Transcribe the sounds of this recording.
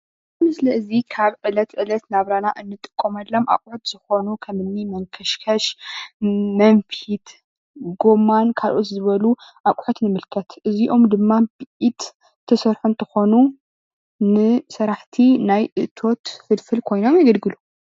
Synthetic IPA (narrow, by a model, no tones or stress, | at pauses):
mɨslɐɨzikʰaβʕɨlɐt̪ʕɨlɐt̪naβɾanaʔɨnːɨt̪ʼɨ̥kʼːomɐlːomʔa̰kʼʕut̪z̥ɨxo̞nukʰɐmɨnːimɐŋkʰɐʃkʰɐʃ | mɐɱfit̪ | ɡo̞mankʰalʔot̪zɨβɐluʔakʼħot̪nɨmɨlkʰɐt̪ʔɨziʔo̞md̪ɨmːabɨʔit̪ | t̪ʰːɐsɐɾħunt̪ʰɐxo̞nu | nɨsɐɾaħt̪ʰinajʔɨʔt̪ʰo̞t̪fɨlfɨlkʰo̞jno̞mjɐɡɐlɡɨlu